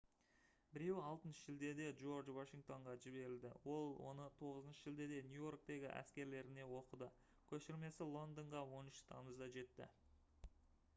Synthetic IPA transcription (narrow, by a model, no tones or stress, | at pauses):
bɪɾe̞wɑlˠt̪ənʃəʒɪld̪e̞d̪e̞ʒo̞rd͡ʒwaʃiŋk̚t̪o̞ɴʁɑʒɪbe̞ɾɪld̪ɪ̰wo̞lˠwo̞̰nət̪ʰo̞ʁəzənʃəʒɪld̪e̞d̪e̞nʲjujo̞rk̚t̪e̞ɡʲɪʔæ̰skʲe̞ɾle̞ɾɪne̞wo̞qəd̪ə | kʲʰɵʃɪɾme̞sɪlˠo̞nd̪əɴʁɑwo̞nɪʃt̪ʰɑməzd̪ɑʒe̞t̪ːɪ̰